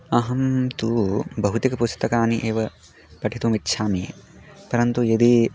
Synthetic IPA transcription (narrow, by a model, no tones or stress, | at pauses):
ɐɦɐmt̪uːbɐɦut̪ikɐpust̪ɐkaːniʔeːʋɐ | pɐʈʰit̪umitːʃʰaːmiː | pɐɾɐnt̪ujed̪i